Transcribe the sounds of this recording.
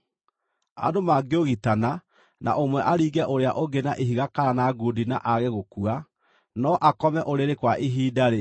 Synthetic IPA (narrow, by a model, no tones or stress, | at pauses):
a̰domaɡeoɣitana | nʔa̰ʔomwɛʔaɾiːɡɛʔoɾeaʔoɡenaʔeɦiɣakaɾanaɡodinaʔaɣeɣokua | nɔʔakɔmɛʔoɾeɾekwaʔiɦiːdaɾe